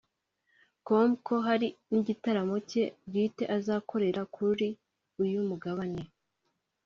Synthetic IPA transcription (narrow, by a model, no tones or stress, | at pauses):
ko̞mko̞ɦaɾiniɟitaɾamoce̞ɡiːte̞ʔazaːkʰo̞ɾe̞ɾakʰuɾi | ujumuɡaβaɲe